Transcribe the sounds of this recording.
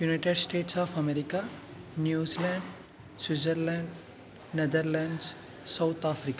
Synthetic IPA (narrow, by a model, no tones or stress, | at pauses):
junaɪʈeɖsʈeːʈsaːfʰɐmeɾika | njuːzilãɳɖ | swizəɾlãɳɖ | ned̪əɾlãɳɖs | sawt̪ʰaːfɾika